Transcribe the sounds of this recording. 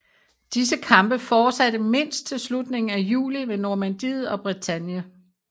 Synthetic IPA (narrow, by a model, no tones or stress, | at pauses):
d̥is̬əkʰɑ̈mb̥əfɒːsædəme̝n̰sd̥̚t͡sʰe̝lslud̥ne̝ŋn̩æjṵːlimenoːmænd̥iːð̞̩ˠɒ̽b̥ʁit͡sʰæn̰jə